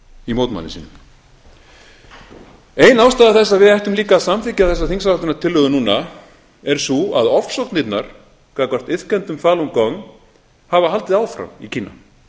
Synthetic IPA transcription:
imoːwt̪ma̰nɪ̰siːnʏm | eːjnaːwst̪aːðaθɛs̬ːaðvɪðɛht̪ʏmliːkaðsamfɪcaθɛsːaθiŋsavaht̪ʏnat̪ʰɪlːœɣʏnuːna | ɛɾ̥suaðɔfsowt̪nɪt̪naɾ̥ | kaːkar̥t̪ɪðkɛnt̪ʏmfaːlɔmkɔŋ | havaɦalt̪ɪðaːwfɾa̰micʰiːnːa̰

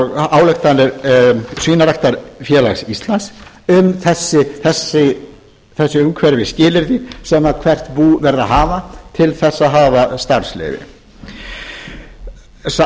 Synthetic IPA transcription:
aːwlɛxt̪anɛɾsviːnaɾaht̪aɾfjɛːlaxsist̪lans | ʏmθɛsːɪθɛsːɪ | θɛsːɪʏmkʰvɛɾvɪscɪːlɪɾðisɛmakʰvɛr̥t̪puːvɛɾðaɦaːvat̪ʰɪlθɛsːaðɦaːvast̪aɾ̥slɛ̰ːvɪ̰ | s

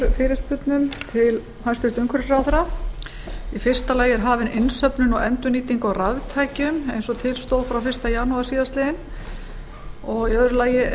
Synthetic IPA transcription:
fɪːɾɪst̪̚pʏt̪nʏmt̪ʰɪl | hajst̪ɪst̪ʏŋkʰœɾsɾaːwθɾa | ifɪr̥st̪alaːjɛɾɦaːvɪnɪnsœpnʏnɔɣɛnt̪ʏniːt̪iŋkɔɣravt̪ʰaːjcʏmejnsɔt̪ʰɪlst̪oːwfɾawfɪr̥st̪ajanuasiːðast̪lɪðɪn | ɔɣiœðɾʏlaːjɪ

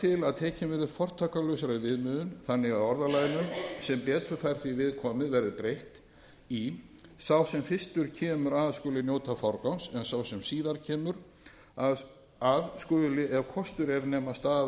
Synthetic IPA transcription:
t̪ʰɪlaðt̪ʰɛːcɪmvɪɾɪ̥fɔr̥t̪ʰaːkalœɥsaɾaðvɪðmʏːðʏnθanːɪɣaðɔɾðalaːjɪnʏmsɛmpɛːt̪ʰʏfajɾ̥θivɪðkʰɔːmɪðvɛɾðɪpɾejht̪ | i | sawsɛmfɪst̪ʏɾ̥cʰɛːmʏɾaːðskʏːlɪnjoːwt̪afawɾkawnsɛnsawsɛmsiːðaɾ̥cʰɛːmʏɾ | að | aðskœːlɪʔɛvkʰɔst̪ʏɾɛɾnɛːmast̪aː

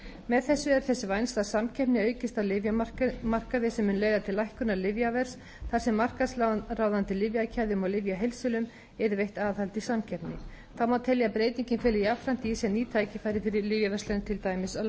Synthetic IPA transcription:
mɛðθɛsːʏɛɾ̥θɛsːʏvajnst̪asamcʰɛpnɪœːɥcɪst̪awlɪvjmar̥kaðɪsɛmːʏnleːjðat̪ʰɪlːajhkʏnalɪvjavɛr̥s | θaɾ̥sɛmːar̥kaslaraːwðant̪ɪlɪvjacʰajðʏmaɣlɪvjaɦejlsʏlʏm | ɛɾʏvejht̪aːðhalt̪isamcʰɛpnɪ | θamawt̪ʰɛljapɾeːjt̪iɲcɪnfɛːlɪijavfɾan̥t̪ɪisɛniːt̪ʰaːjcɪfajɾɪfɪɾɪɾlɪvjavɛst̪lant̪ʰɪlt̪aːjmɪsa

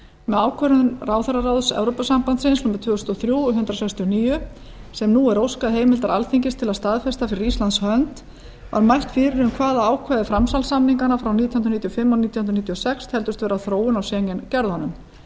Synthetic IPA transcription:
mɛðaːwkʰvœɾʏnraːwθɛɾaɾawðsɛ̰vɾowpasampant̪sɪnsnuːmɪt̪ʰvʏːst̪ɔθɾjuːɔɦʏnt̪ɾasɛkst̪iɔniːjʏ | sɛmnuɛɾowskaðɦeːjmɪlt̪aɾalθiɲcɪst̪ʰɪlaðst̪aðfɛst̪afɪɾɪɾist̪lant̪shœnt̪ | va̰ɾmajr̥t̪fɪːɾɪɾʏmkʰvaːðaaːwkʰvaðɪfɾamsalsamniŋkanafɾawniːt̪jɔhnɾnit̪jɔfɪmːawniːt̪jɔhʏnɾnit̪jɔsɛkshɛlt̪ʏst̪vɛːɾaθɾoːwʏnawsjɛːɲɛncɛɾðɔnːʏm

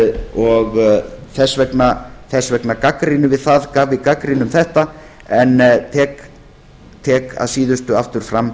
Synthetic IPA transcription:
ɔɣθɛsːvɛknaθɛsvɛknakakɾinʏvɪðθaðkaːvvɪkakɾinʏmθɛht̪a | ɛnːt̪ʰɛːk | t̪ʰɛːka̰ðsiːðʏst̪ʏaft̪ʏɾ̥fɾam

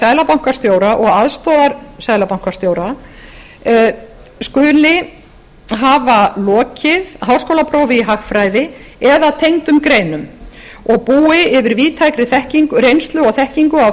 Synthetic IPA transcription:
sajlapawŋ̥kḁst̪joːwɾaʔɔɣaðst̪ɔːðaɾsajlapawŋ̥kaɾ̥st̪jowɾa | skʏːlɪ | ɦavalɔːcɪðɦaw̥skowlapʰɾowvɪiɦaxfɾaːjðɪɛðat̪ʰejŋt̪ʏmkɾejnʏmɔɣpuːɪɪvɪɾviːt̪ʰajkɾɪθɛhciŋkʏrejnst̪lʏɔθɛhciŋkʏaw

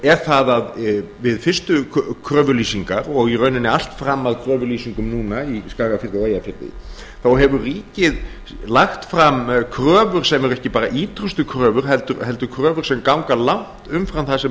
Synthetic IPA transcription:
ɛɾ̥θaðað | vɪðfɪr̥st̪ʏkʰɾœːvʏɾliːsiŋkaɾɔɣirœɥnɪnɪal̥t̪fɾamːaðkʰɾœːvʏɾliːsiŋkʏmnuːnaiskaːɣafɪrɪajafɪɾt̪ɪ̰ | θawɦɛvʏriːcɪð | laxt̪fɾamkʰɾœːvʏɾ̥sɛmɛɾʏɛhcɪpaːɾaʔiːt̪ɾʏst̪ʏkʰɾœːvʏɾ̥ɦɛlt̪ʏɾɦɛl̪t̪ʏkʰɾœːvʏɾ̥sɛmkawŋkalawŋ̥t̪ʏmfɾawnθaðsɛ

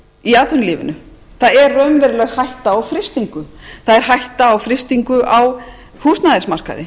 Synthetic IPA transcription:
iaːt̪vʏnliːvɪ̰nʏθaðɛrrːœɥmvɛɾʏlɛɣhajht̪aːwfɾɪst̪iŋkʏθaðɛɾ̥ɦajht̪aːwfɾɪst̪iŋkʏʔaw | huːsnaðɛsmar̥ka̰ðɪ̰

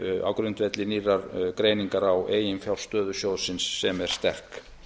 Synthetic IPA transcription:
a̰wkɾʏnt̪vɛt̪lɪnirːaɾkɾeːjniŋkaɾaweːjɪnfjawlst̪œːðʏsjowðsɪnsːɛmɛɾ̥st̪ɛr̥k

